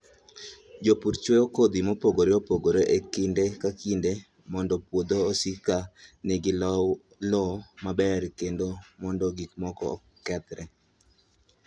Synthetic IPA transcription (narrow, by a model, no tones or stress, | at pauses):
d͡ʒopuɾt͡ʃweokod̪imopoɡoɾeopoɡoɾoʔekindekakinde | mɔndɔpwod̪oːsikanɛɡɪlɔ | lɔmabɛɾkendomɔndɔɡikmɔkɔɔ̰ | kɛt̪ɾɛ